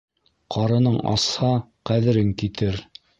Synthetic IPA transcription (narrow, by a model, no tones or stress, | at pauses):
qʰɑɾɤ̆nɤɴɑ̰shɑqæðɘ̆ɾɘŋkit̪ɘɾ